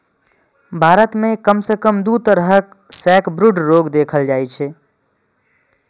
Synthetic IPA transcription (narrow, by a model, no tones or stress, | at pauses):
bʱaːɾət̪mẽkəmsekəmd̪ut̪əɾɦək | sɛːkbɾuɖɾoːɡd̪eːkʰəld͡ʒaːit͡ʃʰɛ